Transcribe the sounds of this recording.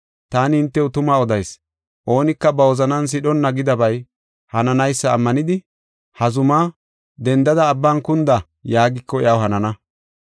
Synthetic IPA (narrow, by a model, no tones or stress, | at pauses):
t̪aːnɪhɪnt̪ːɛʊt̪ʊmaːɔd̪ɐjs | ʔo̞ːnɪkːɐbɐwɔzɐnɐns̬ɪɗɔnːɐɡɪd̪ɐbɐj | hɐnɐnɐjsːɐːmːɐnɪd̪ɪ | hɐzʊmaː | d̪ɛnd̪ɐd̪ɐːbːaːnkʊnd̪ɐ | jaːɡɪkːɔɛjɐwhɐnɐnɐ